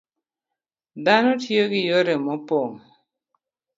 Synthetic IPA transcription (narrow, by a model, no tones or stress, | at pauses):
danotjoɡɪjoɾemɔpom